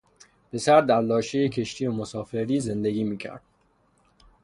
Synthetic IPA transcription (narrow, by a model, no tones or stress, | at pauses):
b̥e̞sæɾd̪æɾlɒːʃejecʰe̞ʃt̪ʰiːomosɒːfe̞ɾiːze̞nd̪eɡiːmiːcʰæ̰ɾd̪̥